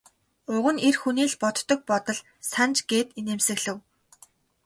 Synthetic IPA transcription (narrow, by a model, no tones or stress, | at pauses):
ʊɣɘ̆nerxuniːɮpɔt̪ːɞ̆k̚pɔt̪ɞ̆ɮ | sant͡ɕɡ̥eːt̪ineːmsɘ̆ɣɮɘ̆w